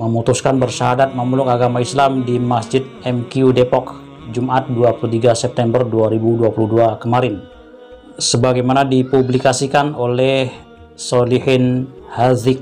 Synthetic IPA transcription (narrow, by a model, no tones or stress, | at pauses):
məmut̪uskanbərʃaɦadat̪̚məmulʊkaɡamaislamdimasd͡ʒɪt̪̚ɛmkiudepɔk | d͡ʒumat̪̚duapuluht̪iɡasɛp̚t̪ɛmbərduaɾibuduapuluhduakəmaɾɪn | səbaɡajmanadipublikasikanolɛh | sɔlihɪnhazɪk̚